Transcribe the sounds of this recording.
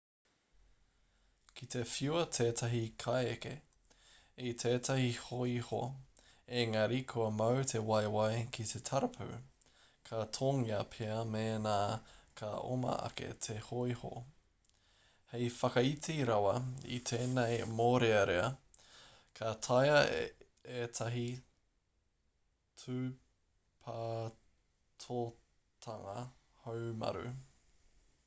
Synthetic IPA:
kʰit̪e̞fiuwɐt̪ʰeːtʰɐɦikʰajeke | it̪ʰeːtʰɐhihoiho̰ | eŋɐɾikʰuɐmɐwt̪ʰewɐjwajkʰitʰet̪ʰɐɾɐpʰʉ̰ | kʰatʰoŋiɐpʰeɐmeːnaːkʰao̰mɐ̰ɐ̰ke̞̰t̪ʰehoiho̰ | hejfɐkɐitʰeɾɐwɐḭt̪ʰeːnejmoːɾeɐɾeɐ | kʰɐt̪ʰajɐ | et̪ʰɐɦi | tʰʉ | pʰaː | tʰo | t̪ʰɐŋɐhowmɐ̰ɾʉ̰

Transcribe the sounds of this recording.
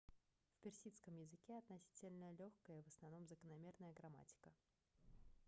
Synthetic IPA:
fpʲɪrsʲit̪skəmjɪzɨkʲeɐt̪nɐsʲi̥tʲɪlʲnəlʲoxkəjəvəsnɐvno̞mzəkənɐmʲe̞rnəjəɡɾɐma̰tʲɪ̥kə

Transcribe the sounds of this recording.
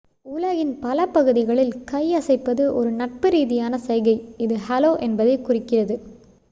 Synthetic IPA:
uːlɐɣɪnpɐlɐpɐɣɯðɪɣɐɭɪlkɐjɐsɐɪpːɐðɯʔɔɾɯnɐʈ̚pɯɾiːðɪjaːnɐsɐɪɣɐɪɪðɯhɐloːʔɛnbɐðɐɪkʊrɪkːɪrɐðɯ

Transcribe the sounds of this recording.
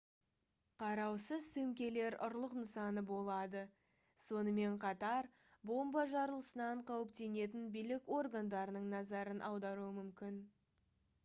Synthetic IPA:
qʰɑɾɑwsəzsɵmkʲe̞le̞ɾʊ̰ɾlˠəqnəsɑnəbo̞lˠɑd̪ə | so̞nəme̞ɴqʰɑt̪ɑɾ | bo̞mbɑʒɑɾəlˠəsənɑɴqʰɑwəp̚t̪e̞ne̞t̪̬ɪnbijlɪko̞rɡand̪ɑɾənəɴnɑzɑɾənʔɑwd̪ɑɾuəmʏmkʲɪn

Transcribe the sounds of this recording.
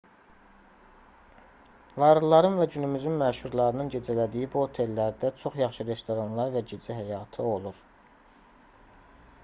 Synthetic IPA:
vɑɾɯlˠɑɾɯnvæɟynymyzynmæʃuɾlˠɑɾɯnɯnɟe̞d͡ʒælæd̪ijibuho̞t̪ʰe̞lːæɾd̪æt͡ʃʰo̞χjɑχʃɯɾe̞st̪o̞ɾɑnlˠɑɾvæɟid͡ʒiɦæjɑt̪ʰɯo̞lˠuɾ

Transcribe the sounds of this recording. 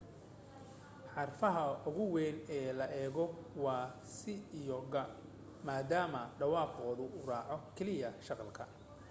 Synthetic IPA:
ħɑrfɐɦɐʊɣʊwɛːnɛːlɐʔɛːɣɔwɑːsɪɪjɔɡɐ | maːd̪aːmɐɖɑwɑːqɔːðʊʔʊrɑːʕɔkʰɛlɪjɐʃɑqɑlkʰɐ

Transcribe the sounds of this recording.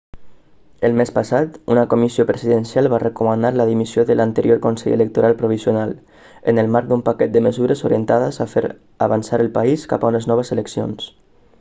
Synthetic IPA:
əlˠmespasat̪unəkomisiopɾəziðənsjalˠβarəkumanaɾləðimisioðəlʔant̪əɾjoɾkonsɛ̰ʎə̰lək̚t̪oɾʔalˠpɾuβ̞izionalˠ | ənəlˠmaɾk̚d̪umpakɛt̪̚d̪əməzuɾəzoɾiənt̪aðəzafḛɾ | aβansaɾəlˠpaiska̰paunəznɔβ̞əzələksio̰ns

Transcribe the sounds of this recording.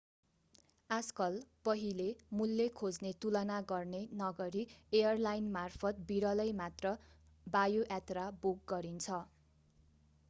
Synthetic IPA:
ad͡zkʌlpʌɦilemulːekʰod͡znet̪ulʌnaɡʌrnenʌɡʌɾiejʌrlajnmarpʰʌt̪̚biɾʌlʌjmat̪rʌ | bajoʔat̪rabuk̚ɡʌɾint͡sʰʌ

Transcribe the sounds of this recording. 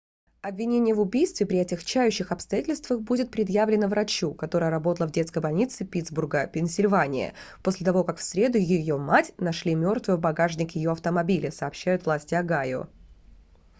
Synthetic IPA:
ɐbvʲɪnʲenʲɪjəvʊbʲijst̪vʲɪpɾʲɪɐtʲɪxt͡ɕæjʉɕːɪxɐpst̪ɐjatʲɪlʲst̪vəxbudʲɪt̪̚pɾʲɪd̪jævlʲɪnəvɾʔɐt͡ɕukɐt̪o̞ɾəjəɾɐbo̞t̪əlˠəvdʲe̞t̪skəjbɐlʲnʲit̪sɨpʲit̪zburɡəpʲɪnʲsʲɪlʲvanʲɪ̰jə̰po̞sʲlʲɪt̪ɐvo̞kakfsʲɾʲe̞d̪ʊjɪjo̞matʲnɐʂlʲimʲo̞rt̪vɨjəbɐɡaʐnʲɪkjɪjo̞ɐft̪əmɐbʲilʲɪsɐːpɕːæjʊt̪vlˠasʲtʲɪɐɡajʊ̰

